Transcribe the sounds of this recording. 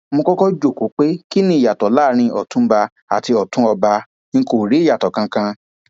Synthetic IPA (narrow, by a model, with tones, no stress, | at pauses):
mõ˧kɔ˦kɔ˦d͡ʒo˦˨ko˨˦k͡pe˦ki˦nĩ˦i˦˨ja˨tɔ˨˦laː˦ɾ̃ĩ˧ʔɔ˨tũ˨˦ba˧ | a˨ti˧ɔ˨tũ˦ɔ˧bã˧˦ | ko˨ɾi˨˦˨ja˨tɔ˨kã˧kã˧